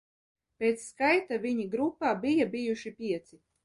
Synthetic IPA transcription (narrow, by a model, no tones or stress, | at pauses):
pʲeːt̪sːkajt̪aviɲiɡɾupːaːbijabijuʃipʲiɛt̪si